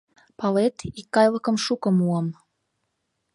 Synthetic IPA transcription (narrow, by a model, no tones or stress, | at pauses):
pɑlet̪ikːɑjlɤ̆kɤ̆mʃukɤ̆muəm